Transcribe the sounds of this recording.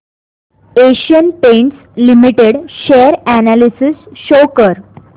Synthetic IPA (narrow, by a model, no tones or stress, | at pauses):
eɕiənpẽɳʈs | limiʈeɽɕeəɾænælisisɕowkəɾ